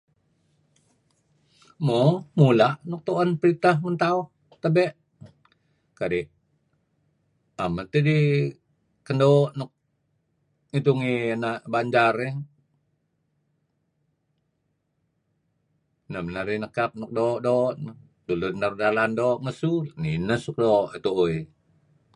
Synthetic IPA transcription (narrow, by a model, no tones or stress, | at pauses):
momulaʔnɔk̚t̪oʔanpəɾit̪ahmənt̪auh | t̪əbɛʔ | kaɾi | amət̪idi | kəndoʔnɔk̚ | it̪uŋinaʔbaɲd͡ʒaɾɛŋ | nəmənaɾinəkap̚nɔk̚doʔdoʔn | dulunːarudalandoʔməsulninəsuk̚doʔit̪uʔui